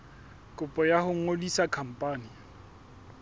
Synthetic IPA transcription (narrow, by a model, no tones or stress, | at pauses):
kʼʊpʼɔjahʊŋ̩olisakʰam̩pʼaːnɪ